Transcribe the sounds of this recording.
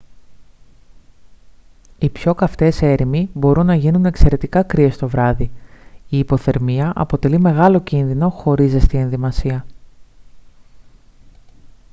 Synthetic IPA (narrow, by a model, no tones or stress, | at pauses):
ipço̞kɐft̪e̞se̞ɾimibo̞ɾʔunːɐʝinune̞kse̞ɾe̞t̪ikɐkɾie̞st̪o̞vɾɐðiiːpo̞θe̞ɾmiɐʔɐ̰po̞t̪e̞lime̞ɣɐlo̞cinðino̞xo̞ɾizest̪ie̞nðimɐsiɐ